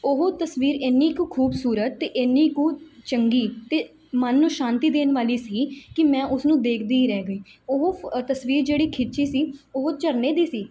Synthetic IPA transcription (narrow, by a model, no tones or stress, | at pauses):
oɦoːt̪əsʋiːɾeniːkũːkʰuːbsuːɾət̪ːeːʔɪnːiːkũːt͡ʃəŋɡiːt̪eː | mənːũːʃãːnt̪iːd̪eːnʋaːliːsiːkɪmɛ̃ːʔʊsnũːd̪eːkʰd̪iːiɾɛːɡəiːoɦoːt̪əsʋiːɾd͡ʒeːɽiːkʰɪt͡ʃiːsiːoɦoːt͡ʃəɾneːd̪iːsiː